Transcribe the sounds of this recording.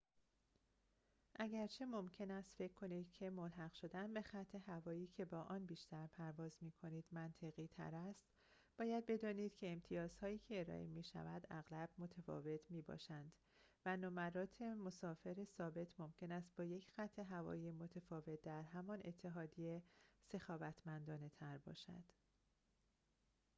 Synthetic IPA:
ʔæɟæɾt͡ʃʰe̞mo̞mcʰe̞næst̪fe̞cʰkʰːo̞niːd̪̥cʰe̞molɦæɣʃo̞d̪ænbe̞xæt̪ʰːe̞ɦævɒːiːcʰe̞bɒːʔɒːnbiːʃt̪ʰæɾpʰæɾvɒːzmiːkʰo̞niːd̪̥mænt̪ʰe̞ɣiːt̪ʰæ̰ɾæst̪ | b̥ɒːjæd̪̚be̞d̪ɒːniːd̪̥cʰe̞ːmt̪ʰijɒːz̥hɒːjiːcʰeːɾɒ̰ʔemiːʃæ̰væd̪æɣlæb̥mo̞t̪ʰefɒ̰ːve̞t̪ʰmiːbɒ̰ːʃænd̪̥ | vænomæɾɒːt̪ʰemo̞sɒːfe̞ɾesɒːbe̞t̪ʰmo̞mcʰe̞næst̪̚bɒːje̞cʰxæt̪ʰːe̞ɦævɒ̰ːiːemo̞t̪ʰefɒːve̞t̪̚d̪æɾɦæmɒne̞̰t̪ʰːe̞ɦɒːd̪ijese̞xɒːvæt̪ʰmænd̪ɒːne̞t̪ʰæɾbɒ̰ːʃæ̰d̪̥

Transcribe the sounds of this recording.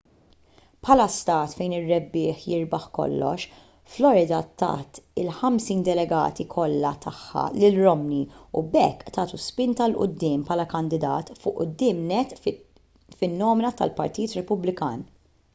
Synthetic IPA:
pħɐlɐst̪ɐːt̪fɛjnɪrːɛbːɪːħjɪɾbɐħkɔ̰lːɔ̰ʃ | flɔɾɪd̪ɐt̪ɐ̰ːt̪ɪlħɐmsiːnd̪ɛlɛɡɐ̰ːt̪ikʰɔlːɐt̪ʰɐħːɐ̰lɪlɾɔmniubɛkːt̪ɐːt̪uspɪnt̪ɐlʔʊ̰d̪ːɪːmpħɐːlɐkɐnd̪ɪd̪ɐ̰ːt̪fʊːʔʊ̰d̪ːɪːmnɛt̪ː | fɪnːɔːmɪnɐt̪ɐ̰lpɐɾt̪iːt̪ɾɛpʊblɪkɐːn

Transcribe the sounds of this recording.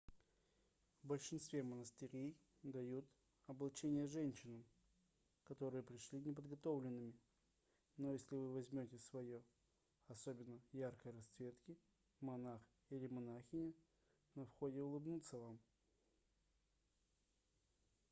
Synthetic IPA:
vbəlʲʂɨnst̪vʲemənəst̪ɨɾʲej | d̪ɐjut̪ | ɐblˠt͡ɕenʲɪjəʐɛnʲɕːɪnəm | kɐt̪o̞ɾɨjəpɾʲɪʂlʲinʲɪp̬əd̪ɡɐt̪o̞vlʲɪnːɨmʲɪ | no̞jesʲlʲɪvɨvɐzʲmʲotʲɪsvɐjo | ɐso̞bʲɪnːəjarkəjɾɐst̪svʲe̞t̪kʲɪ | mɐnax | ilʲɪmɐnaxʲɪnʲɪ | nɐfxo̞dʲɪʊlˠɨbnut̪səvam

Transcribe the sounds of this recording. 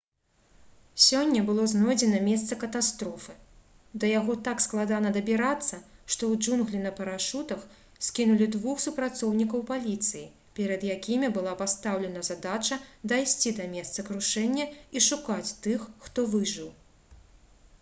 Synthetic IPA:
sʲɔnʲːɐbɨlˠɔznɔjd͡zʲɛnɐmʲɛst̪sɐkɐt̪ast̪ɾɔfɨ | d̪ɐjaɣɔt̪aksklˠad̪anɐd̪ɐbʲiɾat̪sːɐʂt̪ɔwd͡ʒunɣlʲinɐpɐɾaʂut̪ɐx | sʲkʲinulʲid̪vuxsupɾat̪sɔwnʲikɐwpalʲit̪sɨji | pʲɛɾɐd̪jakʲimʲibɨlˠapast̪awlʲɛnɐzad̪at͡ʂɐd̪ajsʲt͡sʲid̪ɐmʲɛst̪sɐkɾuʂɛnʲːɐiʂukat͡sʲt̪ɨxːt̪ɔvɨʐɨw

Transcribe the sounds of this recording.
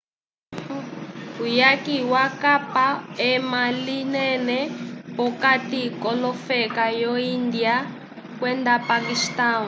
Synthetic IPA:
ujakiwakapaɛmalinɛnɛpɔkatikɔlɔfɛkajɔind̪ia | kwɛnd̪apakistaːn

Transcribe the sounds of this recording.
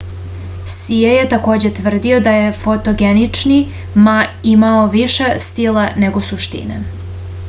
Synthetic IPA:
sijejet̪ako̞ːd͡ʑet̪ʋr̩d̪io̞d̪aje̞fot̪o̞ɡenit͡ʂni | maimaoʋiʃest̪ilane̞ɡo̞suʃt̪ḭnḛ

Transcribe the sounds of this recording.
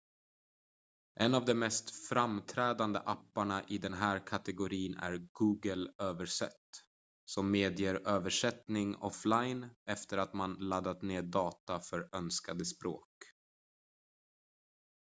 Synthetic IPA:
ʔɛnːavd̪ɛmmːɛst̪fɾamt̪ʰɾɛːd̪and̪ə̰ʔapːaɳaʔɪd̪ɛnɦæːɾkʰat̪ɛɡʊɾiːnæ̰ɾɡuːɡəløːvəʂɛ̰t̪ː | sɔmːeːd̪jeːɾøːvəʂɛt̪nɪŋɔflajnɛft̪əɾat̪manlad̪ːat̪neːɖɑːt̪afœɾœnskad̪əspɾoːk

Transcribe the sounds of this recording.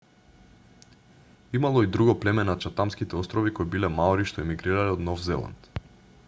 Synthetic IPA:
imalˠɔid̪ɾuɡɔplɛmɛnat͡ʃat̪amskit̪ɛɔst̪ɾɔvikojbilɛmaɔɾiʃt̪ɔɛmiɡɾiɾalɛɔd̪nɔfzɛlˠa̰nt̪

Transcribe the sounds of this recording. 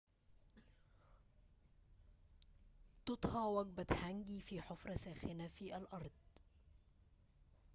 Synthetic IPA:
t̪ʊt̪ˤhɑʕwaɡ̚bat̪haŋɡiːfiːħʊfɾˤɑsaːxɪnafiːʔalʔɑɾˤd̪̚ˤ

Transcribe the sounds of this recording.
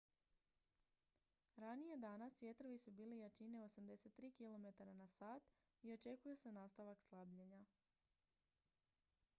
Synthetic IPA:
ɾanije̞d̪anasʋʲje̞t̪ɾo̞ʋisubiːlijat͡ʃine̞o̞samd̪e̞se̞t̪ːɾiːkilo̞me̞t̪aɾanasaːt̪ | io̞t͡ʃe̞kujese̞naːst̪aʋakslˠabʎeɲa

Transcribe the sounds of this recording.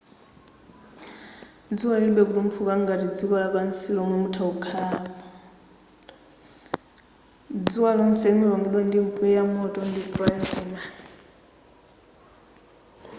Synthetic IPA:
d͡ziwalinɓɛkutum̩pʰukaŋɡaɾid͡zikɔlapansiɺɔmɔmutʰaukʰaɺaːmɔ | d͡ziwalɔnsɛimɛβaŋɡiɗwandimpʰʼuɛjamɔtʼɔndipʰɔjɛsɛːna

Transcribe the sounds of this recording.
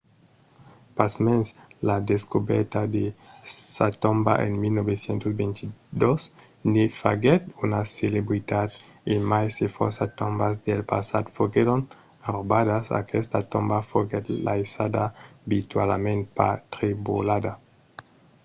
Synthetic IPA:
pasmenslad̪eskobɛɾt̪ad̪esat̪õmba̰ʔḛnmilnobesjent̪osbent̪id̪os | nifaɡet̪unaselebɾit̪ad̪ | emajsefoɾsat̪ombazd̪elpasa̰d̪foɡeɾon | aɾobadasa̰kʰɛst̪at̪ombafoɡɛt̪lajsad̪abit̪walmẽnt̪pa̰t̪ɾibulad̪a

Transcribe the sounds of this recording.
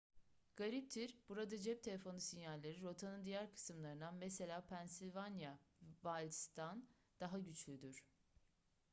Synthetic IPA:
ɡ̥aɾip̚t̪ʰiɾb̥uɾad̪ad͡ʒɛp̚t̪ʰelʲe̞fo̞nusinjallːʲeɾiɾo̞t̪ʰanɯnd̪ijæɾkʰɯ̥sɯmlˠaɾɯnanmese̞lʲaːpʰænsilʲvanjavalʲst̪ʰan | d̪̥aɦaɟyt͡ʃlʲyd̪yɾ̥

